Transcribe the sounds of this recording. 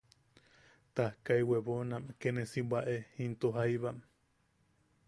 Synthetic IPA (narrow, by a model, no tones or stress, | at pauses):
t̪ahkaiweβonamkenẽsibaʔehint̪uɦajβam